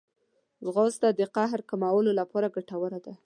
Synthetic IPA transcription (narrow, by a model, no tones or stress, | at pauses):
zɣozt̪ad̪əqaɦɾkamawəlolapɑɾaɡaʈawəɾad̪a